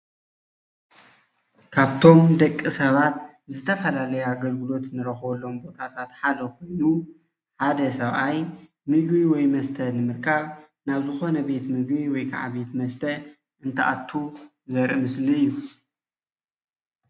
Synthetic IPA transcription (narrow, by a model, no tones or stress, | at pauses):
kʰaβt̪ʰo̞md̪ɐkʼːisɐβat̪ | zɨt̪ʰɐfɐlalɐjuaɡɐlɡɨlo̞t̪nɨɾɐxβɐlːo̞mbo̞t̪ʰat̪ʰat̪ħad̪ɐkʰo̞jnu | ħad̪ɐsɐβʔaj | mɨɡbiwɔjmɐst̪ʰɐnɨmɨɾkʰaβ | naβzɨxo̞nɐbe̞t̪mɨɡbiwɔjkʰa̰ʕa̰βe̞t̪mɐst̪ʰɐ | ʔɨnt̪ʰɐʔa̰t̪ʰːu | zɐɾʔɨmɨsliɨjːu